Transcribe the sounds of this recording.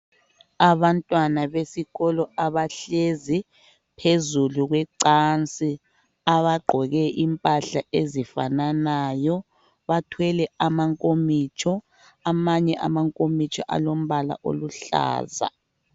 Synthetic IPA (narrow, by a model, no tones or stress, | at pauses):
aβantʼwanaβesiɣɔlɔaβaɬezi | pʰezuluɣwɛǀant͡sʼi | aβaɡ͡ǃʱɔɣɛʔimpʼaɬaezifa̰nanajɔ | βatʰwɛlɛamaŋkʼomit͡ʃʰʼɔ | amaɲɛʔa̰maŋkʼomit͡ʃʼɔʔa̰lom̩βala̰ʔo̰luɬa̰ːza̰